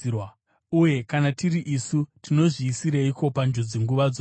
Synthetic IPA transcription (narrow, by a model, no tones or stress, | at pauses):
wa | uje̞kanatiriʔisutino̞ʐiːsiɾeiko̞pand͡ʒod͡zeŋɡuʋad͡zo